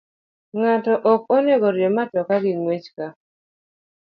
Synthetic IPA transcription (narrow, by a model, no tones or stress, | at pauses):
ŋatɔʔɔkɔnɛɡɔɾjɔmatɔkaɡɪnmwet͡ʃka